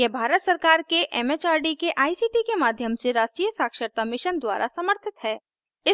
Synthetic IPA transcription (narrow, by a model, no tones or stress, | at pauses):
jebʱaːɾət̪səɾkaːɾkeʔɛːmet͡ʃaːɾɖikeʔaːisiːʈikemaːd̪ʱjəmseɾaːsʈiːjəsaːkʃəɾt̪amɪʃənd̪wa̰ːɾʔa̰sɐməɾt̪ʰɪt̪ɦɛː | ɪ